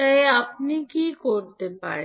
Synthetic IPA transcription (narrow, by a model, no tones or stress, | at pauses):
əɦeapnikiːkoɾt̪epa̰ɭ